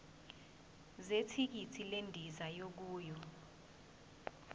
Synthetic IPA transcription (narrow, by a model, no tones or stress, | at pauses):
zetʰik̬itʰilendʱizajok̬uːjɔ